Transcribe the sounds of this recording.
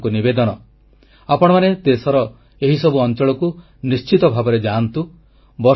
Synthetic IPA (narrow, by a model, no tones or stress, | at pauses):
kunibed̪ɔɽ̃ɔ | apɔɽ̃ɔmaned̪esɔɾɔ | eɦisɔbuɔnt͡ʃɔɭɔku | nist͡ʃit̪ɔbʱabɔɾed͡ʒant̪u | bɔ